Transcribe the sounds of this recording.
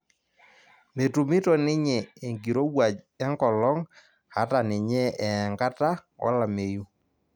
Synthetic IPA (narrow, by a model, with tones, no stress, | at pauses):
me˨tu˨mɪ˦tɔ˨nɪ˦ɲɛ˨e˨ŋɡi˨ɾo˦wwa˨d͡ʒ | ɛ˦ŋɡɔ˨lɔ˦ŋ | ha˦ta˨nɪ˨ɲɛ˦ɛ˨ŋɡa˦ta˦wɔ̰˦la˨me˨ju˦